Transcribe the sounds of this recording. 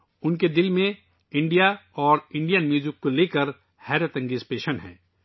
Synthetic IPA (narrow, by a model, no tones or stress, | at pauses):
ʊnked̪ɪlmẽ | ɪ̃ɳɖijaɔːɾɪ̃ɳɖijənmjuːzɪkːoleːkəɾ | hɛːɾət̪ə̃ŋɡispeːʃənɦɛ̰̃ː